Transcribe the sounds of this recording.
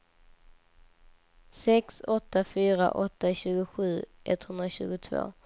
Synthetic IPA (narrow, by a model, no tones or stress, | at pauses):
sɛksɔt̪ːafyːɾa̰ʔɔt̪ːaɕʉ̟ːɡʊɧʉ̟ːʔɛt̪hɵnd̪ɾaɕʉ̟̰ːɡʊt̪ʰvo̰ː